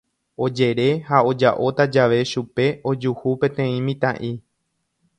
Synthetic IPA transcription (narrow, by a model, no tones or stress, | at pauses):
o̞d͡ʒe̞ɾe̞hao̞d͡ʒaʔo̞t̪ad͡ʒaʋe̞ʃupe̞ʔo̞d͡ʒuhupẽ̞t̪ẽ̞ĩmĩt̪ã̰ʔi